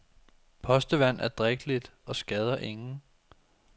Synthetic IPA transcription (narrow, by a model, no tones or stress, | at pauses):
pʰɒ̽sd̥əʋæn̰æɐd̥ʁɛɡ̥əlid̥ɒ̽sɡ̥ɛð̞ˠɐʔe̝ŋn̩